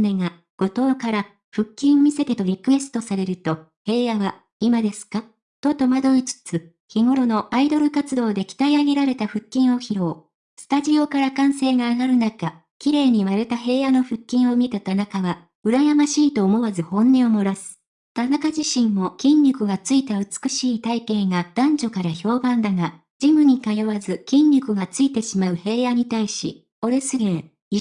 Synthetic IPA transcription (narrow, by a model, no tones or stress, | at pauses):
neŋa | ɡ̥o̞t̪o̞ːkaɾa | ɸɯ̟kʲːĩɰ̃omʲise̞t̪e̞t̪o̞ɾʲikɯ̟e̞sɨ̥t̪o̞saɾe̞ɾɯ̟t̪o̞ | he̞ːjaβa | imad̪e̞sɨ̥ka | t̪o̞t̪o̞mad̪o̞ɲit͡sɨ̥t͡sɨ | çiŋo̞ɾo̞no̞ʔaid̪o̞ɾɯ̟kat͡sɨd̪o̞ːd̪e̞kʲi̥t̪aiaɡe̞ɾaɾe̞t̪aɸɯ̟kʲːĩɰ̃o̞çiɾo̞ː | sɨ̥t̪aʑio̞kaɾakãɰ̃se̞ːɡaːɡaɾɯ̟naka | kʲiɾe̞ːɲ̟imaɾet̪aɦe̞ːjano̞ɸɯ̟kʲːĩɰ̃o̞mʲit̪at̪anakaβa | ɯ̟ɾajamaɕiːt̪o̞ːmo̞βazɨhõ̞nːe̞omo̞ɾasɨ̥ | t̪anakaʑiɕĩmːo̞kʲĩɲːʲikɯ̟ɡat͡sɨit̪aɯ̟t͡sɨ̥kɯ̟ɕiːt̪aikẽ̞ɡad̪̥ãɲ̟d͡ʑo̞kaɾaço̞ːbãnd̪aŋa | d͡ʑimɯ̟ɲ̟ikajoβazɨkʲĩɲːʲikɯ̟ɡat͡sɨit̪e̞ɕimaɯ̟he̞ːjaɲ̟it̪aiɕḭ | o̞ɾɯsɨɡẽɰ | i